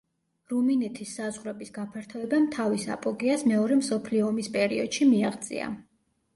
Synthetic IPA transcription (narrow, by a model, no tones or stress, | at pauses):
ɾuminɛt̪ʰisːazʁɾɛbisɡapʰaɾt̪ʰɔɛbamt̪ʰavisa̰pʼɔɡiasmɛɔɾɛmsɔpʰliɔːmispʼɛɾiɔd̪̥ʃimiaʁd̪zʼḭa̰